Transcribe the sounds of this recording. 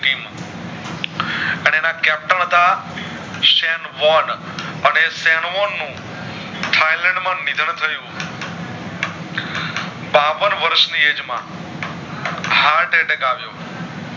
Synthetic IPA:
ʈim | əneenãkɛp̚ʈəɳt̪a | ʃɛnʋɔn | ənesɛnʋɔnːũ | ʈʰailɛ̃ɳɖmãnid̪ʱəɳt̪ʰəjũ | baʋənʋəɾʃnied͡ʒmã̰ | ɦaɾʈeʈekaʋjo̰

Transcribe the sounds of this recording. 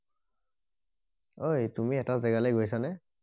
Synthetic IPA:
ojtumiɛtazɛɡalejɡojsanɛ

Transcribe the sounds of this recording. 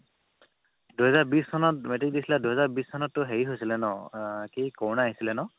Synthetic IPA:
duɦɛzaɹbistʰɔnɔt̚metik̚disʰiladuɦɛzaɹbisʰɔnɔtːʊɦeɹiɦojsilɛnɔkikɔwnaɦisilɛnɔ

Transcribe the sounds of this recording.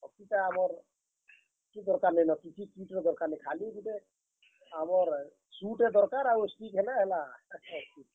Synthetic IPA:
ɔkitaamɔɾ | kid̪ɔɾkaɾnɛjnakitikiʈed̪ɔɾkaɾnɛjkʰaliɡiʈe | amɔɾ | suʈed̪ɔɾkaɾausʈikɦelaɦelaski

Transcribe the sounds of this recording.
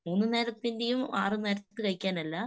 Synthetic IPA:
muːnːɨneːɾɐt̪ːinde̞jumaːrɨneɾɐt̪ːt̪ːɨkɐɻikʲːaːnɐlːɐ

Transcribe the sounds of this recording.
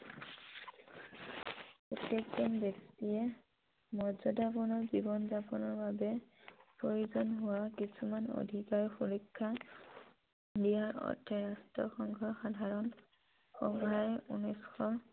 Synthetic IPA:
pɔtjekzɔnbektiɛ | mɔzɔdabɔnɔɹzibɔnzapɔnɔɹbabɛpɹoɹuzɔnɦʊwakisʰumano̰dʱikaɹxoɹikʰːa | dijaɹɔ̰tʰːɛɹastɹɔ̰xɔŋɡʱɔxadʱaɹɔn | xɔmajṵnɔjsxɔ

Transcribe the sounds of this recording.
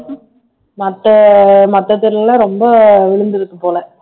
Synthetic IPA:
mɐt̪ːɐmɐt̪ːɐt̪ːɪɾɐllãːɾɔmbɐʋɪɭɯnd̪ɪɾɯkːɯpːoːlɐ

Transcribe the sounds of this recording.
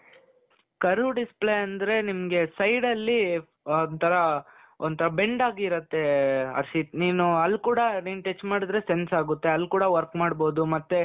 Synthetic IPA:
kɐɾuɖispleɐnd̪ɾe̞nimɐɡe̞sɐjɖɐlːi | nt̪ʰɐɾɐ | ont̪ʰɐɾɐbe̞ɳɖaːɡiːɾɐt̪ːe̞ɐ̰ɾsit̪niːnuɐlːkuːɽɐɾiːɳʈet͡ʃmaːɽid̪ɾe̞se̞nsaːɡut̪ːe̞ɐlːkuːɽɐʋɐɾkmaːɖbo̞ːd̪umɐt̪ːe

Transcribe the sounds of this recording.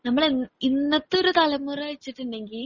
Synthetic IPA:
nɐmːɐɭininːɐt̪ːo̞ɾut̪ɐlɐmːurɐɐɻit͡ɕːiʈːiɳɖe̞ŋɡil

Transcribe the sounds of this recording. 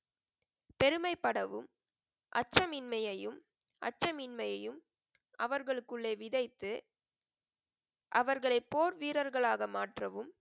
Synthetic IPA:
pɛɾɯmɐɪpːɐɽɐʋɯm | ʔɐ̰t͡ʃːɐmɪnmɐjɐjɯm | ʔɐ̰t͡ʃːɐmɪnmɐjɐjɯm | ʔɐʋɐɾɣɐɭɯkːɯɭːeːʋɪðɐɪt̪ːɯ | ʔɐʋɐɾɣɐɭɐɪpːoːɾʋiːɾɐɾɣɐɭaːɣɐmaːʈrɐʋɯm

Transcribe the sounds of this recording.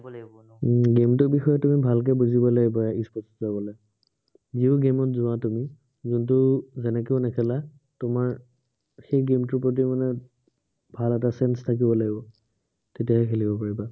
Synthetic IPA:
ɡemtʊbixɔjɛtumibʱalk̬ɛbuzibɔlaɡibɔispɔszabɔlaj | ziʊɡemɔtzʊatumi | zuntʊzɛnɛkeʊnɛkʰɛla | tʊmaɹ | xejɡemtʊɹpɹot̬imanɛ | bʱalɛtasɛnstʰak̬ibɔlaɡibɔ | tetijaɦɛkʰelibɔpaɹiba

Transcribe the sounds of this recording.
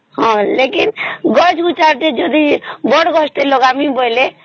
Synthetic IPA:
ɦɔ̃lekinɡɔt͡ʃɡut͡ʃaɾt̪ed͡ʒɔd̪ibɔɽɡɔst̪eloɡamibɔjle

